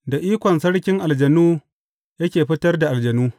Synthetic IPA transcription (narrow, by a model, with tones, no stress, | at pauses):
da˨ʔiː˦kʷɔ˨nsɐ˦ɽkʲɪ˦ŋʔa˨ld͡ʒɐ˨nuː˦ | jɐ˦kʲeː˨ɸɪ˦tɐ˦rda˨ʔa˨ld͡ʒɐ˨nuː˦